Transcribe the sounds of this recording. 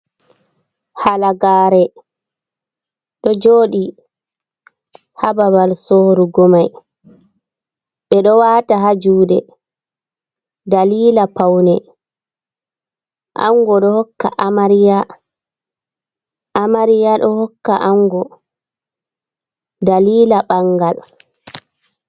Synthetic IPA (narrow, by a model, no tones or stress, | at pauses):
halaɡaːɾɛ | ɗɔd͡ʒoːɗi | hababalsɔhɾuɡɔmaj | ɓɛɗɔwaːtaɦad͡ʒuːdɛ | daliːlapawnɛ | ʔa̰ŋɡɔɗɔhɔkːa̰ʔamaɾija | ʔamaɾijaɗɔhɔkːaʔaŋɡɔ | daliːlaɓaŋɡal